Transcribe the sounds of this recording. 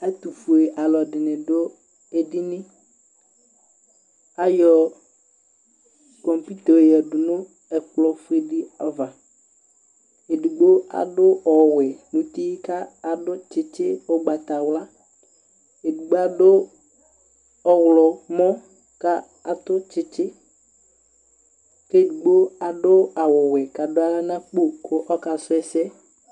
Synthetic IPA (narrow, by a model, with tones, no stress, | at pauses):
a˦t̪u˨fu˨e˨ʔa˨lɔ˨ɖɪ˨nɪ̃˨ɖʊ˦ | e˨dɪ˦nɪ̃˦ | a˦jɔ˨ | kɔ˨mpi˦t̪ɔ˨jɛ˨ɖʊ˨nʊ̃˦ | ɛ˨k͡plɔ˨fu˦e˨ɖɪ˦a˨va˨ | e˨du˨ɡ͡bo˦a̰˨ɖʊ˦ɔ˨wɪ˨nũ˨t̪i˦ka˦a˨dʊ˦t͡ʃɪ˦t͡ʃɪ˦ɔ˦ɡ͡ba˨t̪a˨wla˦ | e˨du˨ɡ͡bo˦a˦˨dʊ˦ | ɔ˦wlɔ˨mɔ̃˦ | ka˦ | a˨t̪ʊ˦t͡ʃɪ˦t͡ʃɪ˦ | ke˦˨du˨ɡ͡bo˦a˨ɖʊ˦a˨wɔ˨wɪ˨ka˨dʊ˦a˦a˦nã˦k͡po˦˨kʰʊ˦ʔɔ˦ka˨sʊ˦ɛ˦sɛ˦